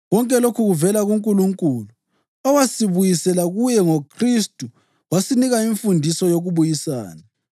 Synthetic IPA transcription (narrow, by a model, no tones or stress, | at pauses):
wɔŋkʼɛlokʰuɣuvɛlaɣuŋkʼuluŋkʼuːlu | ɔwasiβujisɛlaɣujɛŋokʰristʼu | wasiniɣaiɱfundʱisɔjoɣuβujisa̰ːna